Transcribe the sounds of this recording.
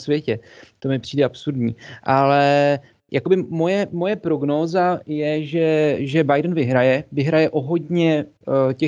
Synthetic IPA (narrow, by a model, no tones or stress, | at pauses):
svjɛcɛt̪o̞mɪpr̝̥iːdɛʔapsuɾdɲiːʔalɛ | jakobɪmo̞jɛmo̞jɛpɾo̞ɡno̞ːzajɛʒɛʒɛbajdn̩vɪɦɾajɛvɪɦɾajɛʔo̞ɦo̞dɲɛ | cɛ